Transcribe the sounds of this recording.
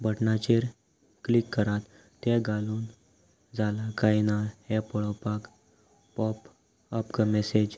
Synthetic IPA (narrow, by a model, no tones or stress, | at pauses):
bəʈnat͡ɕeɾ | klikːəɾat̪ː | eɡaluːn | d͡zalakainahɛ̃pəɭɔpak | pɔp | əpkəmɛsed͡ʑ